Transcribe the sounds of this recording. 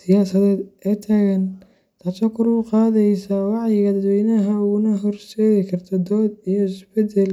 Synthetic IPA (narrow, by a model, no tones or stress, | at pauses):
sɪjaːsɐðɛːd̪ɛt̪ʰaɣɐn | t̪ʰɐt͡ʃɔkʰʊɾʊqɑːðɛjsawɑʕjɪɣɐd̪ɐd̪wɛjnɐɦɐʊɣʊnɐɦɔrʃɛːɣɪkʰɐrt̪ʰɔd̪ɔːd̪ijɔɪsbɛd̪ɛl